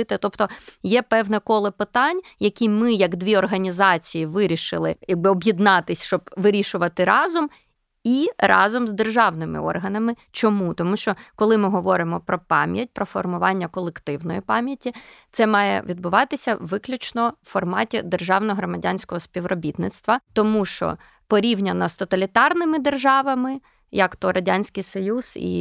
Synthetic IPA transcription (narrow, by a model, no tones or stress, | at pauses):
ɪt̪ɛt̪ɔpt̪ɔjɛpɛwnɛkɔlˠɪpɪt̪ɑnʲjɐkʲimɪjɐɡd̪ʋʲiɔrɦɐnʲizɑt͡sʲijiʋɪɾʲiʃɪ̰lˠɪ̰jɐɡ̚bɪɔbjid̪nɑt̪ɪsʲʃt͡ʃɔbʋɪɾʲiʃʊʋɐt̪ɪɾɑzʊm | irɑ̰zɔmzd̪erʒɑwnɪmɪ̰ɔ̰rɦɐnɐmɪ | t͡ʃɔmut̪ɔmuʃt͡ʃɔkɔlˠɪmɪɦɔʋɔɾɪmɔpɾɔpɑmʲjɐt̚ʲpɾɔfɔrmʊʋɑnʲːɐkɔlˠekt̪ɪwnɔjipɑmʲjɐtʲit̪sɛmɑjɛ̰ʋʲid̪bʊʋɑt̪ɪsʲɐʋɪklʲʊt͡ʃnɔwfɔrmɑtʲɛd̪erʒɑwnɔɦɾɔmɐdʲanʲsʲkɔɦɔsʲpʲiʋrɔbʲit̪nɪt̪st̪ʋɐt̪ɔmuʃt͡ʃɔ̰ | pɔɾʲiwnʲɐnɐst̪ɔt̪ɐlʲit̪ɑrnɪmɪd̪erʒɑʋɐmɪ | jɐkt̪ɔɾɐdʲanʲsʲkɪjsɔjuz̥ḭ